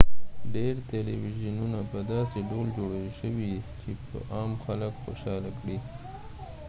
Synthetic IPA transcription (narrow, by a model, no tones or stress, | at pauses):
ɖeɾt̪eliwiʒənunapəd̪ɑseɖold͡ʒoɽəʃəwit͡ʃepə̰ʔɑːmxaləkxo̰ʃɑlakɽi